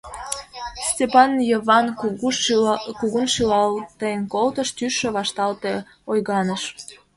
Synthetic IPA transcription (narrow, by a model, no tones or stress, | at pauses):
stʲepɑnjəβɑn | kuɣunʃilɑlt̪əejənkolt̪əʃt̪yʃĕβɑʃt̪ɑlt̪e | ojɣɑnəʃ